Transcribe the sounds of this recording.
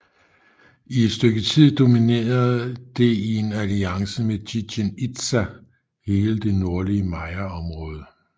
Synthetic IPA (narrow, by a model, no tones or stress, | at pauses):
ie̝d̥sd̥øɡ̥ət͡sʰið̰ˠd̥o̝mine̝̰ːɐðˠd̥e̝ie̝næliɑ̈ŋsəmediɕenid̥sæ | he̝ːləd̥e̝no̝ɐliəmɑ̈ɪɐɒ̽mʁɔ̽ːð̞ˠə